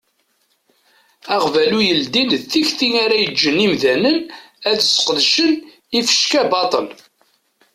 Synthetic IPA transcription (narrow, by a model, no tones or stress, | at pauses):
æʁvælujəld̪inθiçθiŋæɾæjəd͡ʒːənimðænən | æðəsə̥qðʃən | ifə̥ʃkæbɑt̪ˤəl